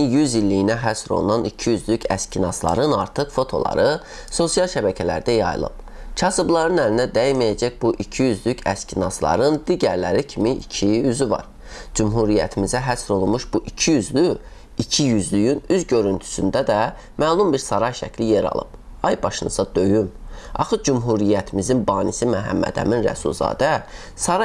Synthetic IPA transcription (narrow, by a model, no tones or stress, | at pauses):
jyzilːijinæɦæsɾo̞̰lˠnɑnicʰijyzlycʰæ̰scʰinɑslˠɑ̰ɾɯnɑɾt̪ʰɯχfo̞t̪ʰo̞̰lˠɑ̰ɾɯ | so̞sijɑlˠʃæbæcʰælæ̰ɾd̪æjɑjɯ̰lˠɯ̰p | cʰɑsɯblˠɑɾɯnælinæd̪æjmæjæd͡ʒæcbuʔicʰijyzlycʰæscʰʲinɑslˠɑ̰ɾɯnd̪iɟæɾlæɾicʰimiicʰiyzyvɑ̰ɾ | d͡ʒumɦuɾijæ̰t̪ʰimizæɦæsɾo̞lˠunmuʃbuʔicʰijyzly | icʰijyzlyjynyzɟø̞ɾynt̪ʰy̥synd̪æd̪æ | mæːlˠumbiɾsɑɾɑjʃæ̰cʰlijeɾɑ̰lˠɯ̰b̥ɑjbɑʃɯnɯzɑd̪ø̞jymɑ̰xɯd͡ʒumɦuɾijæt̪ʰimizinbɑːnisimæɦæ̰mːæ̰d̪æ̰minɾæ̰sṵlˠzɑ̰ːd̪æ | sɑɾ